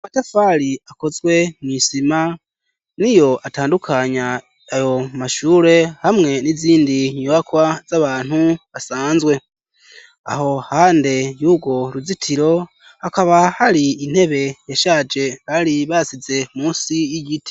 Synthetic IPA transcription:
matafaɾiako̞zɡwe̞mŋisima | nijo̞ʔataːndukʰaɲaː | jo̞maʃuːɾe̞hamŋe̞niziːndiɲoβakwaz̥aβaːn̥huβasaːnzwe̞ | a̰ho̞haːnde̞juːbɡo̞ɾuzitʰiɾo̞ | hakaβahaɾiin̥he̞βe̞jaʃad͡ʒe̞βaɾiβasize̞muːnsijiɟiti̥

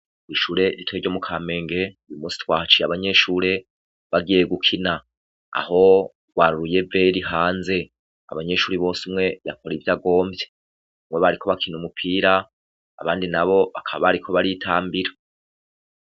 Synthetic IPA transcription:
iʃuːɾe̞ɾitweɟo̞mukʰaːme̞ːŋɡe̞ujumuːsi̥twaːt͡ʃiaβaɲe̞ʃuːɾe̞ | βaɡije̞ɡukʰina | a̰ho̞ | ɡ̥waːɾuɾuje̞veɾiɦaːnze̞ | a̰βaɲe̞ʃuːɾiβo̞ːsimŋe̞jakʰo̞ɾivjaɡo̞ːmbje̞ | mwe̞βaɾikʰo̞βakʰinumupʰiːɾa̰ː | βaːndinaβo̞βakʰaββaɾikʰo̞βaɾitʰaːmbiɾa

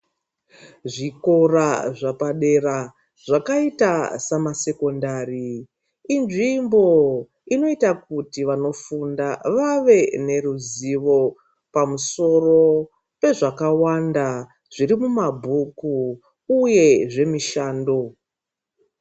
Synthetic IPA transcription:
ʐiko̞raʐapaɗe̞ra | ʐakaitasamase̞ko̞ndariː | nʐimbo̞ | ino̞itak̚utiʋano̞fundaʋaʋe̞ne̞ruziʋo̞ | pamuso̞ro̞ | pe̞ʐakawanda | ʐ̥irimumabʱukuː | je̞ʐe̞miʃaːndo̞

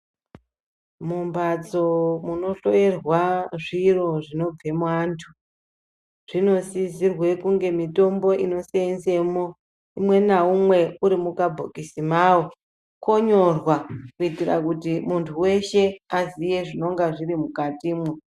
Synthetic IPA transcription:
mumbad͡zo̞muno̞ɬo̞je̞rwaʐiro̞ʐino̞b͡vʱe̞mwantʰu̥ | ʐ̥ino̞sizirwe̞kuŋɡe̞mito̞mbo̞ino̞seenze̞mo | imwe̞naumwe̞uɾimukabʱokisimawo | ko̞ɲo̞rwakuitira̰kutimuntʰuwe̞ʃe̞azije̞ʐino̞ŋɡaʐiɾimukatiːmwe

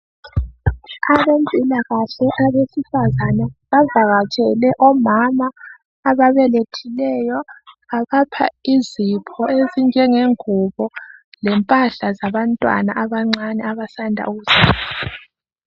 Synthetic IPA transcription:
aβembʱilaɣaɬɛʔaβesifazanaβavaɣat͡ʃʼɛlɛʔɔmamaː | βaβɛletʰilɛjɔ | aβapʰa̰izipʰɔeziŋd͡ʒʱɛŋeŋuβɔlɛmpʼaɬazaβantʼwa̰na̰ʔaβaŋ͡ǀanɛaβasandʱa̰uɣuz̥aːla

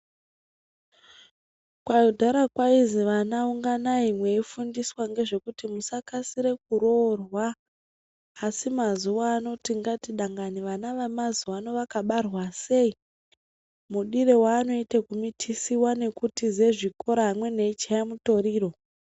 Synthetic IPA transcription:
kwajudʱaɾakwaiziʋanauŋɡanaimwe̞ifundiswaŋɡe̞ʐe̞kutimusakasiɾe̞k̚uɾo̞rwa | simazuʋaːno̞tiŋɡatiɗaŋɡaniʋanaʋamazuano̞ʋakaɓarwase̞i | muɗiɾe̞waːno̞itekumitʰisiwane̞kutizeʐiko̞ɾaɦamwe̞neit͡ʃajamuto̞ɾiːro̞

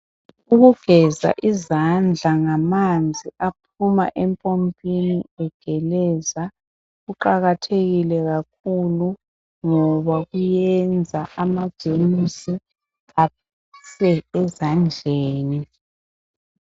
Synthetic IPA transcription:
uɣuvɛza̰ʔizand͡ɮʱaŋamand͡zʱiʔapʰuma̰ʔɛmpʼompʼiniɛɡ̥ʱɛlɛza | ɣuǃaɣatʰeɣilɛɣak̚ʰulu | ŋɔβaɣujɛnd͡zʱaʔamḁʒ̥ʱʼemisi | a | sɛɛzand͡ɮʱeːni

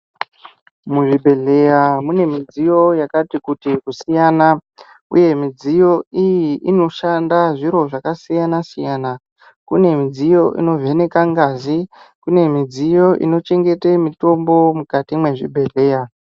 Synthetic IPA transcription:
muʐibʱe̞ɮe̞jamune̞mid͡zijo̞jakatikutikusijana | ṵje̞mid͡zijo̞ijiʔino̞ʃandaʐiɾo̞ʐakasijanasijana | kune̞mid͡zijo̞ʔḭno̞vʱe̞ne̞kaŋɡazikune̞mid͡zijo̞ʔḭno̞t͡ʃe̞ŋɡe̞temito̞mbo̞mukatimwe̞ʐibʱe̞ɮe̞ːja

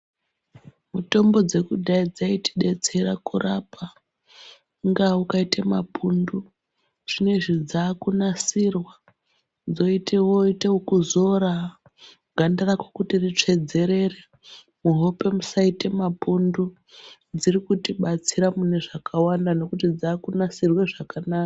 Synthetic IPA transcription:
muto̞mbo̞d͡ze̞kuɗaid͡zaiti̥ɗe̞t͡se̞ɾakurapa | ŋɡaukaitamapundu | ʐ̥ine̞ʐid͡zaːkunasirwa | d͡zo̞itʰewo̞iteukuzo̞ɾa | ŋɡandarakokutirit͡ʂe̞d͡ze̞ɾe̞re | muɦope̞musaitemapundu | d͡ziɾikutiɓat͡siɾamune̞ʐakawandano̞kutid͡zaːkunasirweʐakanaːka

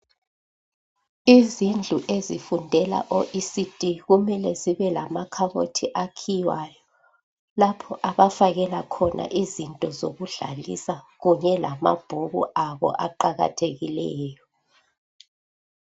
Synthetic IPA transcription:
izind͡ɮʱuʔezifundʱɛla̰ʔoʔisid̥ʱʼiɣumɛlɛziβɛlamakʰaβo̰tʰiʔakʰijwaːjɔ | lapʰɔʔaβafaɣɛlakʰɔnʔa̰ʔizintʼɔzoɣuɮa̰lḭsaɣuɲɛlama̰b̥ʱuɣṵaβɔ̰ʔaǃaɣa̰tʰeɣilɛːjɔ

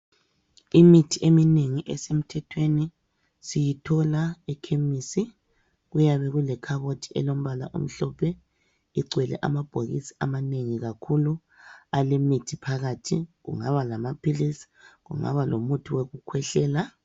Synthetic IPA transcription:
imitʰiʔemineŋiʔɛsem̩tʰɛtʰweni | sijitʰɔlaɛkʰemisi | ɣujaβɛɣulɛkʰaɣotʰi̥ʔɛlom̩βala̰ʔṵm̩ɬɔpʰɛ | iǀwɛlɛ̰ʔa̰mab̥ʱoɣḭsi̥amaneŋiɣakʰulu | alimitʰipʰaɣatʰiɣṵŋaβalamapʰilisi̥ɣṵŋa̰βalomutʰuweɣukʰwɛɬɛːla

